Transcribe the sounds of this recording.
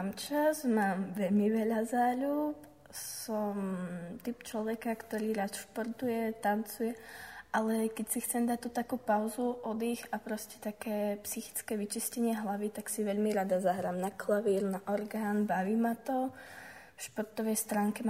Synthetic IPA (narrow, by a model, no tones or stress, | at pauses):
amt͡ʃazmaːmʋɛʎmiʋɛʎazaːʎup | sɔmt̪ipt͡ʃlɔʋɛkakt̪ɔɾiːɾat̪ʃpɔɾt̪ujɛt̪ant͡sujɛʔalɛkɛcsixt͡sɛmd̪at̪ut̪akuːpaʊzuʔɔd̪iːɣapɾɔscɛ̥t̪akɛːpsixi̥t͡skɛːʋit͡ʃiscɛɲɪɛɦlaʋit̪aksiʋɛʎmiɾad̪azaɦɾaːmnaklaʋiːɾnaʔɔɾɡaːnbaʋiːmat̪ɔ | fʃpɔɾt̪ɔʋɛjst̪ɾaːŋkɛm